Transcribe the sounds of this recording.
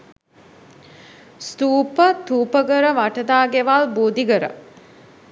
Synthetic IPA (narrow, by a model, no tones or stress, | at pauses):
st̪uːpət̪uːpəɡəɾəʋaʈəd̪aːɡeʋalbuːd̪iɡəɾə̰